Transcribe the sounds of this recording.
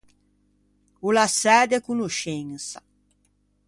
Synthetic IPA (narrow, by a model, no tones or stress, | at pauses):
ulasɛːd̪ekunuʃeŋsa̰